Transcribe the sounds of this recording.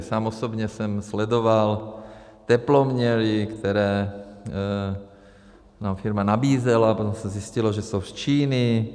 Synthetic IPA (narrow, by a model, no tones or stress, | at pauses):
saːmɔsɔbɲɛsɛmslɛd̪ɔʋalt̪ɛplɔmɲɛɾikt̪ɛɾɛː | naːmfiɾmanabiːzɛlapɔt̪ɔmsaziscilɔʒɛsɔʊst͡ʃiːni